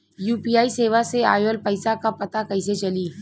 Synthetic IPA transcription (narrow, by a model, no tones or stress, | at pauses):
juːpiːaːiseːʋasea̰ːjolpəɪsakapɐt̪akɐɪset͡ʃɐliː